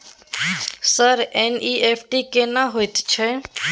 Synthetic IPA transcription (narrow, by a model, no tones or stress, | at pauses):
səɾeniːʔepʰʈikenaɦojt̪t͡ʃʰe